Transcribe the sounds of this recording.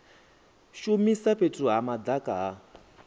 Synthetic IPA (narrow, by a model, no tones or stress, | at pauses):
ʃumisaɸetʰuɦamad̪akaɦa